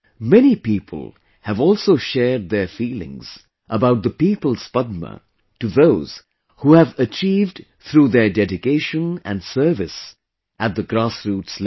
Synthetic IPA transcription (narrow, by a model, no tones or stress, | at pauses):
mɛñipiːpʰə̰l̩ˠ | hɨvɔlˠsoʊʃɛd̪̚ðə˞fiːlɪ̰̃ŋz̥ | ʔəbaʊt̪̚d̪əpiːpəl̩ˠspʌd̪̚mə̰ | tɨðoʊz̥ | huːhævət͡ʃiːvd | t̪ʰɾuːðə˞dɛdɪkeɪʃə̃næ̰̃nsɜ˞vɪs | ʔæt̪̚d̪əɡɾasɹutsl